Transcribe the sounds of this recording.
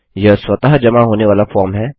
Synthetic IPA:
jɐsʋɐt̪aɦd͡ʒɐmaɦoːneʋaːlafɔːɾmɦɛː

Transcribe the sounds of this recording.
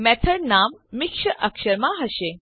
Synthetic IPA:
mɛt̪ʰəɾnamːikʂəʔəkʃəɾmaɦəɕe

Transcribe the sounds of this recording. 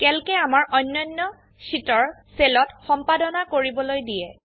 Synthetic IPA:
kɛlkɛamaɹʔɔjnːɔjnːɔ | sitɔɹselɔtxɔmpadɔnakoɹibɔlojdijɛ

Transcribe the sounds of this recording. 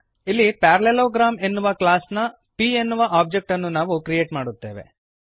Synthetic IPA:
ilːipaːɾɐleloːɡɾaːme̞nːuʋɐklaːsnɐ | pienːuʋɐʔaːp̚d͡ʒek̚ʈɐnːunaːʋukɾijeːʈmaːɽut̪ːe̞ːʋe̞̰

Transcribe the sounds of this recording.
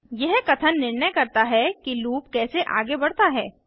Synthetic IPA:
jɛɦkɐt̪ʰənːɪɾnəjkɐɾt̪aɦɛkiluːp̚kɛːseʔa̰ːɡebɐɽ̤t̪aɦɛː

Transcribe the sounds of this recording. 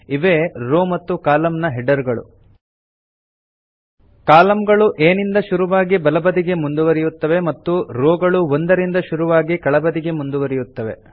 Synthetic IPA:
iʋeːɾoːmɐt̪ːukaːlɐmnɐɦɛɖɐɾɡɐɭṵ | kaːlɐmɡɐɭuʔeːnind̪ɐʃuɾuʋaːɡibɐlɐbɐd̪iɡe̞mund̪uʋɐɾijut̪ːɐʋe̞mɐt̪ːuɾoːɡɐɭuond̪ɐɾind̪ɐʃuɾuʋaːɡikɐɭɐbɐd̪iɡe̞mund̪uʋɐɾijut̪ːɐʋe̞̰

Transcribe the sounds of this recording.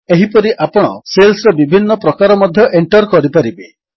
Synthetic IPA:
eɦipɔɾiʔapɔɽ̃ɔselsɔɾɔbibʱinːɔpɾɔkaɾɔmɔd̪ʱjɔʔeɳʈɔɾkɔɾipaɾibe

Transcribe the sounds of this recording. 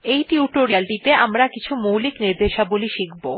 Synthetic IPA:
ejʈiuʈoɾialʈit̪eamɾakit͡ɕʰumuwlikniɾd̪eʃaboliʃikʰbo

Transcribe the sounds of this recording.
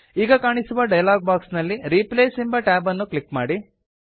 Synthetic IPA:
iːɡɐkaːɳisuʋɐɖɐjlaːɡ̚baːksnɐlːiɾiːpleːsimbɐʈaːbɐnːuklikmaːɽi

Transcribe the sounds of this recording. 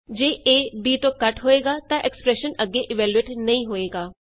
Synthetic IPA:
d͡ʒeːʔeːbiːt̪õːkəʈɦoːeːɡaːt̪ãʔɛkspɾɛːʃənəɡːeːʔɪʋɛːlueːʈnɐĩːɦoːeːɡaː

